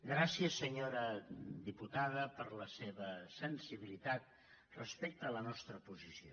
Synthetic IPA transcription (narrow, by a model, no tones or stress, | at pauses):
ɡɾasiəsːəɲoɾəd̪iput̪aðəpəɾləseβəsənsiβilit̪at̪̚ | rəspek̚t̪əːlənɔst̪ɾəpuzisio̰